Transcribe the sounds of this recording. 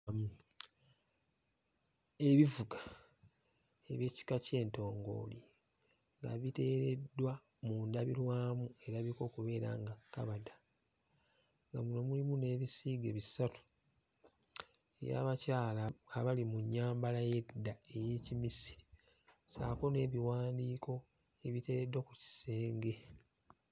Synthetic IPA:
mu | e̞βivuɡa | e̞βje̞ːci̥kace̞ːnto̞ːŋɡo̞̰ːli | ŋɡa̰βite̞ːɾedːwa | muːndaβilwaːmue̞ɾaβiko̞ːkuβe̞ːɾa̰ŋɡakːaβada | ŋɡamuno̞mulimune̞ːβisiːɡe̞βisatu̥ | e̞̰ja̰ːβacaːlaːβalimuɲːaːmbalaje̞dːae̞jeːcimisi̥ | sa̰ːko̞ne̞ːβiwaːndiːkʰo̞ | e̞βite̞ɾedwakuci̥se̞ːŋɡe̞

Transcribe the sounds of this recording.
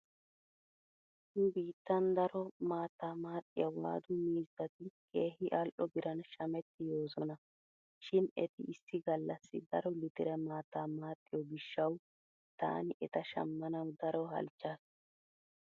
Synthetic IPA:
hʊbiːt̪ːɐnd̪ɐɾɔmaːt̪ːaːmaːt̪ʼːɪjɐwa̰ːd̪ʊmiːzɐt̪ɪkʼe̞ːhɪʔalʔɔbɪɾɐnʃɐmɛt̪ːɪjo̞ːzɔnɐ | ʃɪnɛ̰t̪ɪʔɪsːɪɡɐlːɐsːɪ̰d̪ɐɾɔlɪt̪ɪɾɛmaːt̪ːaːmaːt̪ʼːɪjɔbɪʃːɐw | t̪a̰ːnɪʔɛt̪ɐʃɐ̰mːɐnɐwd̪ɐɾɔɦɐ̰lt͡ʃːaːs

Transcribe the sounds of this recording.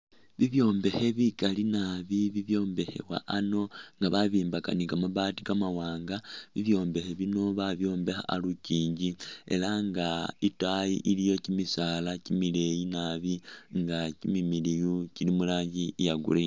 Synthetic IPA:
βiβjo̞ːmbe̞he̞βikalinaβiβiβjo̞ːmbe̞he̞̰wa̰ʔano̞ŋɡaβaβiːmbakanikamaβatikamawaːŋɡaβiβjo̞ːmbe̞he̞βino̞βaβjo̞ːmbe̞xa̰aluciːɲɟie̞̰laŋɡaitajḭʔilijo̞cimisaːlacimile̞jinaβiŋɡacimimilijucilimulaːɲɟijaɡṵle

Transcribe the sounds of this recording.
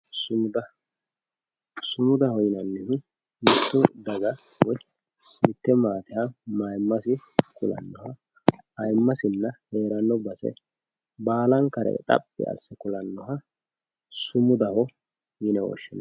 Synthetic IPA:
sʊmʊd̪ɐ | sʊmʊd̪ɐhɔjɪnɐnːɛnɪ | mɪt̪ːʊd̪ɐɡɐ | wɔj | mɪt̪ːɛmaːt̪ɪhɐmajmːɐsɪkʊlɐ̰nːɔhɐ | ɐjmːɐsɪnːɐhe̞ːɾɐnːɔbɐsɛ̰ | baːlɐŋkɐɾɛ̰t̪ʼɐ̰pʼːɪ̰ɐ̰sːɛkʊlɐnːɔɦɐ | sʊmʊd̪ɐhɔ | jɪnɛwɔ̰ʃːɪn

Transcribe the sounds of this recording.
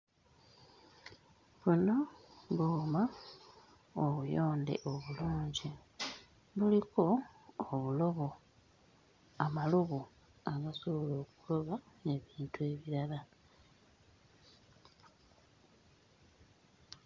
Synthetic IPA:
βuno̞βoːma | oβujoːndḛʔoβuluːɲɟi | βuliko̞ːβulo̞βo̞ | amaluβu | aɡasuβulo̞ːku̥loβaeβiːntue̞βiɾala

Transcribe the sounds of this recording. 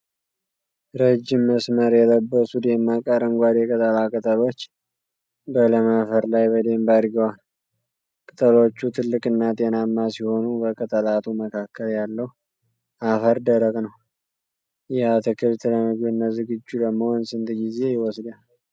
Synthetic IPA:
ɾəd͡ʒːɪmːəsməɾjɛləbːəsud̪e̞mːakʼəɾɨŋɡʷad̪jɛkʼət̪ʼəlakʼɨt̪ʼəlo̞t͡ʃː | bələmafəɾlajbəd̪e̞mbaɾɡəwal | kʼɨt̪ʼəlo̞t͡ʃːut̪ʰɨlːɨkʼɨnːat̪ʼe̞namːasiho̞nubəkʼət̪ʼəlat̪ʰuməkʰakʰːəljalːəhu | ʔafəɾd̪əɾəkʼnəw | jɛat̪ʰəkʰɨβt̪ʰɨləmɨɡbɨnːəzɨɡɨd͡ʒːud̪əmːownsɨnt̪ɡize̞jɪwɔsd̪al

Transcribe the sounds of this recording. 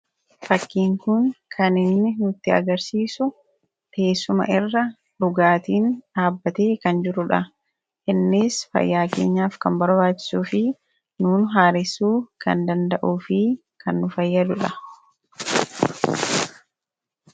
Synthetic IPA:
fɐkːiːŋkʊnkʰɐnɪnːɪnʊt̪ːɪɐ̰ɡɐɾsiːsʊ | ke̞ːsːʊmɐ̰ʔɪrːɐ | ᶑʊɡaːt̪iːnᶑaːbːɐt̪e̞ːkɐnd͡ʒɪɾʊᶑɐ | ʔɪnːɪsfɐ̰jːaːke̞̰ːɲːaːfkɐmbɐɾbaːt͡ʃːɪ̥suːfɪ | nuːnɦaːɾɪsuːkɐ̰nd̪ɐnd̪ɐʔuːfɪ | kʰɐnːʊfɐjːɐd̪ʊᶑɐ

